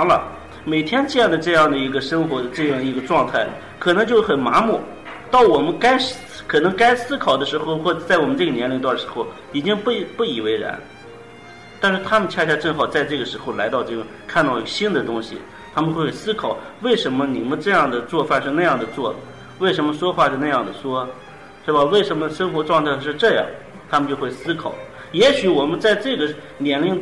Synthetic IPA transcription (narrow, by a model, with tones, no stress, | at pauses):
ŋlə̰˧ | me˨˩ɪt̪ʰjɛ˥nt͡ɕɤ˥˧jɑ˥˩ŋd̪ə˩ʈ͡ʂɤ˥˧jɑ˥˩ŋd̪ə˩i˧˥ɡə˧ʂɤ˥ŋxwɔ˧˥d̪ə˧ʈ͡ʂɤ˥˧jɑ˥˩ŋd̪ə˩i˧˥ɡə˧ʈ͡ʂwɑ˥˧ŋt̪ʰa˥˩ɪlə̰˩ | kʰɤ˨˩nɤ˧˥ŋt͡ɕjo˥˧ʊxə˨˩nma˧˥mu˥˩ | t̪ɑ˥˩ʊwɔ˨˩mə˧˦nka˥ɪ | kʰɤ˨˩nɤ˧˥ŋka˥ɪsɹ̩˥kʰɑ˨˩ʊd̪ə˦ʂɻ̩˧˥xo˥˧ʊxwɔ˥˩t͡sa˥˩ɪwɔ˨˩mə˦nʈ͡ʂɤ˥˩ɡə˩njɛ˧˥nli˧˥ŋt̪wa˥˩nʂɻ̩˧˥xo˥˩ʊ | i˨˩t͡ɕi˥ŋppu˥˩i˨˩we˥ɪɻə̰˧˥n | t̪a˥˧nʂɻ̩˥˩t̪ʰa˥mə˨t͡ɕʰja˥˧˩t͡ɕʰja˥˧ʈ͡ʂɤ˥˩xɑ˨˩ʊt͡sa˥˧ɪʈ͡ʂɤ˥˩ɡə˩ʂɻ̩˧˥xo˥˧ʊla˧˥ɪt̪ɑ˥˧ʊʈ͡ʂɤ˥˧˩ʈ͡ʂʊ˧˥ŋkʰa˥˧nt̪ɑ˥˩ʊi˥˩ɡə˧˩ɕi˥nd̪ə˨t̪ʊ˥ŋɕḭ˨ | t̪ʰa˥mə˧nxwe˥˩sɹ̩˥kʰɑ˨˩˦ʊwe˥˩ɪʂə˧˥nmə˧ni˨˩mə˦nʈ͡ʂɤ˥˧jɑ˥˩ŋd̪ə˩t͡swɔ˥˧fa˥˧nʂɻ̩˥˧na˥˧jɑ˥˩ŋd̪ə˩t͡swɔ˥˩lə˩ | we˥˩ɪʂə˧˥nmə˧ʂwɔ˥xwa˥˧ʂ̩˥˧na˥˧jɑ˥˩ŋd̪ə˩ʂwɔ˥ | ʂɻ̩˥˩bə˩we˥˩ɪʂə˧˥nmə˧ʂə˥nxwɔ˧˥ʈ͡ʂwɑ˥˧ŋt̪ʰa˥˧ɪʂɻ̩˥˧ʈ͡ʂɤ˥˧jɑ̰˥˩ŋ | t̪ʰa˥mə˧t͡ɕjo˥˧ʊxwe˥˩ɪsɹ̩˥kʰɑ˨˩ʊl | jɛ˧˥ɕy˨˧˥wɔ˨˩mə˧˦nt͡sa˥˧ɪʈ͡ʂɤ˥˩ɡə˩ | njɛ˧˥nli˧˥ŋ